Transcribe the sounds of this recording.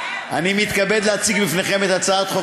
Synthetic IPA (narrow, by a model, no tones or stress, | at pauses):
a̰nimit̪kabe̞d̪leat͡siɡbifneχe̞met̪at͡saat̪χo